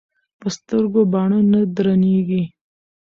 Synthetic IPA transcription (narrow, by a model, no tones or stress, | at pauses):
pəst̪əɾɡobɑɳonad̪ɾaneɡi